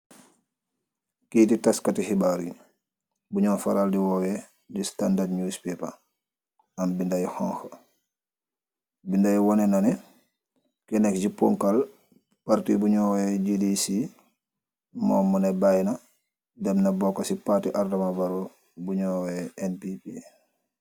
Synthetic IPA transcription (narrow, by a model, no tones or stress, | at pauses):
kititaskatihibaɾḭ | buɲɔnfaɾaldiwɔwɛ | d͡ʒistandadɲuspɛpa̰ | ambindajihɔŋxə | bindajiwɔnɛnanɛ | kɛnɛkd͡ʒipɔŋkal | paɾtibuɲɔwɛd͡ʒidisi | mɔːmunɛbajna | dɛmnabɔkːasipatiʔardamabaɾɔ | buɲɔwɛʔɛnpipi